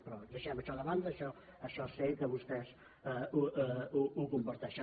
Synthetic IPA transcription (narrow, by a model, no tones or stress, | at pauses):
pɾɔd̪əʃɛməʃɔðəβand̪əːʃɔ | əʃɔsed̪əβust̪ɛs | uuuɣumbuɾt̪ɛʃə